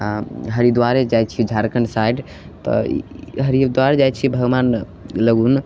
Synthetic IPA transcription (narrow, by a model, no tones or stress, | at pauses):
aɦəɾid̪waɾed͡ʒajt͡ʃʰid͡ʒʱaɾkənsajɖ | t̪ɔ̰ɦəɾid̪waɾed͡ʒajt͡ʃʰibʱəɡʋan | ləɡun